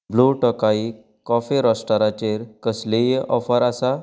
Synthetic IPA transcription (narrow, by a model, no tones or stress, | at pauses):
bluʈɔkai | kɔfeɾɔsʈaɾat͡ɕeɾkəslejʔɔfəɾasa